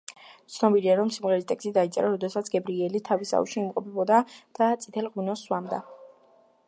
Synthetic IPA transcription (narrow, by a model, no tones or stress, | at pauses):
t̪sʰnɔbiliaɾɔmsimʁɛɾist̪ʼɛkst̪id̪ait̪sʼɛɾaɾɔd̪ɛsat̪sʰɡɛbɾiɛlit̪ʰavisa̰ṵʃiːmqʼɔpʰɛbɔd̪ad̪̥at̪sʼi̥t̪ʰɛlʁunɔsːwamd̪a̰